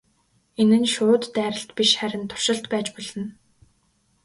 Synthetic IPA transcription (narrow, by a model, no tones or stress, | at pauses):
enɘ̆nʃʊːt̪ːæːɾə̆ɬt̪piʃχæɾʲɪ̆nt̪ʰʊ̥r̥ʃɪ̆ɬt̪pæːt͡ɕpɔɮɞ̆n